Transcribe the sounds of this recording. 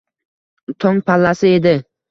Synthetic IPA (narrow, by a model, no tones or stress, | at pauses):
t̪ʰɒŋpʰalːasɪe̞d̪ɪ